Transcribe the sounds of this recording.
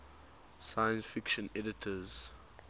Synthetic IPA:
sajə̃nsfɪkʃə̃nɛdɪtʰəz̥

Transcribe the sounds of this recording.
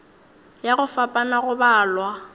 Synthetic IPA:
jaɣʊfapʼanaɣʊbaːlwa

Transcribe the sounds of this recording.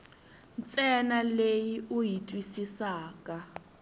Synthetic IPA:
nt͡sʼɛnalejiʔujitʼwisisaːkʼa

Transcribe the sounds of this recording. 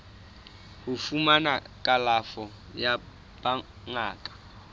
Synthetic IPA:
hufumanakʼalafɔ | ja | ba | ŋaːkʼḁ

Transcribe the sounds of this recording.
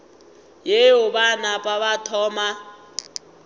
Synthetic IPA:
jejʊbanapʼaβatʰɔːma

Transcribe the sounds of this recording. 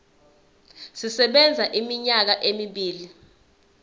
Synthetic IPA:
sisɛɓɛnd͡zʱaʔimiɲak̬aʔemiɓiːli

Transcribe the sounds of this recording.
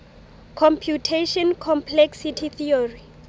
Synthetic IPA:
kʰɔ̃mpʰjutʰeʃɔnkʰɔmpʰlɛksitʰiθʰiɔri

